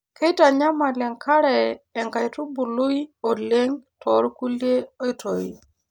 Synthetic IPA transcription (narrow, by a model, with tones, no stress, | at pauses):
ke˦ta˨ɲa˦ma˨lɛ˨ŋkʰa˦ɾɛ˨ɛ˨ŋka˨ɪ˨tu˦bu˨lu˦i˦o˨le˦ŋtʰɔ˨˦ɾku˦lje˦o˦i˦to˨i˦˨